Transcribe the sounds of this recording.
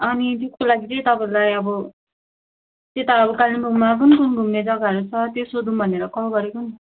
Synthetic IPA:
ʌnit̪̬eskolaɡit͡sʌj̃t̪ʌpʌlajʌbʌ | t̪et̪aʌbʌkalimbʱuɡmak̬ʌnikunɡʱumned͡zʌɡaɦʌɾut͡sʰʌt̪josod̪unbʱʌneɾʌkʌɦɡʌɾekoni

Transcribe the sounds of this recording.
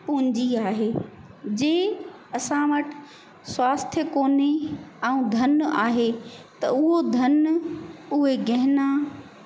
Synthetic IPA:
pʊɦɪ̃ɲd͡ʑiaːɦeː | d͡ʑeː | ɐsãʋɐʈɪ̥ | swaːst̪ʰjəkoːneɛũd̪ʱɐnaːɦet̪ɐ̰ʊɦod̪ʱɐn | ʊɦeɡɐɦɪna

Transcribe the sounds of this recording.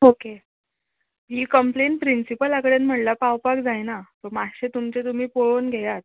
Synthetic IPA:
oke | ɦiːkəmplenpɾinsipəlakəɽenm̤əʈlapawpakd͡zajnat̪oɾmaɕet̪umt͡ɕet̪um̤iːpoɭonɡʱejat̪̚

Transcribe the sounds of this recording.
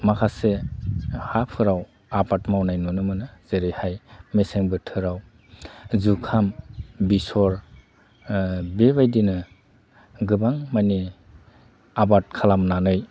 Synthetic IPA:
makʰase | hapʰɯɾaw | abatmawnajnunɯmɯnɯz̥eɾihajmeseŋbɯtʰɯɾaw | zukʰambisɔɾ | bebajdinɯ | ɡɯbaŋmani | abat̚kʰalamnanɯj

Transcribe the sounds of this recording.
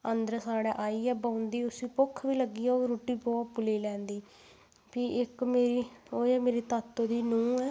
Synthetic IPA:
ənd̪əɾsaːɽɛːʔaːiːɛːbaːʊnd̪iːʊsĩːpʊkʰʋiːləɡiːɛːoːɾuːʈiːbɔːt̪pʊliːlɛ̃ːnd̪iː | piːʔɪkmeːɾiːoːɛːmeːɾiːt̪aːt̪ːoːd̪iːnũːɛː

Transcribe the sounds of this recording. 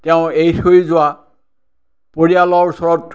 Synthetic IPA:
tɛʊ̃ejxojzʊwa | poɹialɔɹusɔɹɔt

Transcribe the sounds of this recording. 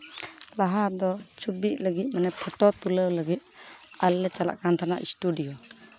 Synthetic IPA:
laɦad̪ɔt͡ʃʰubiʔ̪̚ˀləɡit̪̚manɛpʰɔʈɔt̪uləwləɡit̪̚alːɛt͡ʃala̰ʔkant̪ʰanaʔḭsʈuɖijɔ

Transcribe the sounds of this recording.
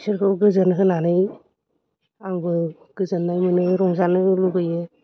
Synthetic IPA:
sɯɾkʰɯbɡɯzɯnkʰɯnanɯj | aŋbɯ | ɡ̥ɯzɯnːajmɯnɯɾɔŋzanɯlubɯje

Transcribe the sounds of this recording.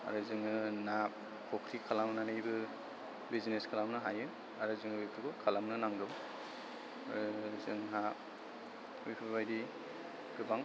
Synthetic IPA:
a̰ɾɯzɯŋɯnap̚ | kʰokʰɾikʰalamnanɯjbɯ | bizneskʰalamnɯɦajɯ | aɾɯzɯŋɯijkʰɾikʰɔkʰalamnɯnaŋdɯm | ɾzɯŋɦap̚ | ujpʰɯβajdi | ɡ̥ɯbaŋ

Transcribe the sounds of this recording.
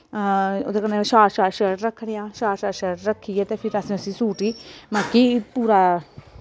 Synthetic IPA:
od̪eːkənːeʃaːɾʃaːɾʃəɾʈɾəkʰɽijãːʃaːɾʃaːɾʃəɾʈɾəkʰːiːɛːt̪eːpʰɪɾəsĩːəsĩːsuːʈiːməkːiːpuːɾaː

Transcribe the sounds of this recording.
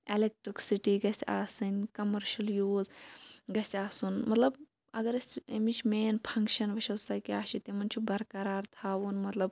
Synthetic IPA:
elek̚ʈɾiksiʈiɡɐsʲaːsɨnʲkɐmɐɾʃɐljuːzɡɐsʲaːsuːnmɐt̪lɐb | ɐ̰ɡɐɾɐsʲemit͡ʃʰmeːnpʰɐ̃ŋkʃɐnʋɐʃɐwsɐkiaːʃit̪emɐnt͡ʃʰubɐɾkɐɾaːɾt̪ʰaːʋuːnmɐt̪lɐb

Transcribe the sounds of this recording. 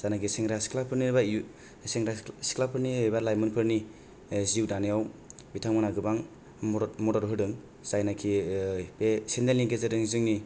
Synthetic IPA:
z̥anaɡisiŋɾaskʰlapʰɯniɾba | siŋɾasi̥klapʰɯɾnibalajmɯnpʰɯɾni | ziwdanijawbitʰaŋmɯnaɡɯbaŋ | mɔɾɔɾɦɯdɯŋ | z̥ajnakʰipesendenliŋkezɯdɯŋzɯŋni

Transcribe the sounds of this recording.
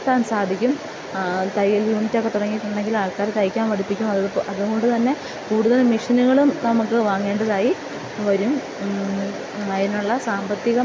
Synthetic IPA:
t̪aːnsaːd̪ʱikʲːum | t̪ɐjɐljuːnitːokːe̞t̪uɽɐŋːijiʈːuɳɖe̞ŋɡilaːɭkaːɾt̪ɐjkʲːaːnʋɐɽipːikʲːumɐððʔɐðuɣo̞ɳɖɨt̪ɐnːe̞ | kuːɽuðɐlmiʂɐnuɣɐɭumnɐmukːɨʋaːŋːe̞ːɳɖɐðaːji | ʋɐɾum | ɐjinːuɭːɐsaːmbɐt̪ːiɣɐm

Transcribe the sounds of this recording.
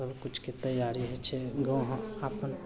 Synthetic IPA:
ɐbkʊt͡ʃʰkit̪ɐjaːɾiɦɛt͡ʃʰɛɡɐ̃ɦaːpən

